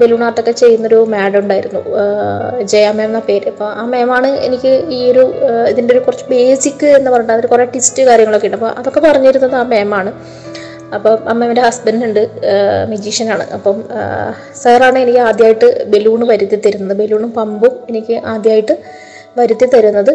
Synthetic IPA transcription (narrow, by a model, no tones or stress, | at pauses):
be̞luːɳaːt̪ːokːe̞t͡ɕe̞jːunːɐoɾumaːɽuɳɖaːjiɾunːṵ | d͡ʑejɐmːeːmnːape̞ːɾɐpːoːaːmeːmaːɳɨe̞̰nikʲːɨiːo̞ɾuiðindeo̞ɾukurɐt͡ɕːube̞ːsikʲːɨe̞nːɨpɐrɐjuɳɖɐðoɾukureʈistɨkaːɾjɐŋːɐɭokːeːɳːɖɐpːo̰ʔɐðo̞kːe̞pɐrɐɲːɐjiɾunːɐðɨaːmeːmaːɳɨ | ɐpːoːɐmːendehɐsbɐninuɳɖɨmed͡ʑiːʂɐnaːɳɨ̰ʔɐpːɐm | seraːɳɨe̞nikʲːɨaːd̪jaːjiʈːɨbe̞luːɳʋɐɾut̪ːit̪ːɐɾunːɐðɨbe̞luːɳumpɐmbume̞nikʲːɨʔaːd̪jaːjiʈːɨ | ʋɐɾut̪ːit̪ɐɾunːɐðɨ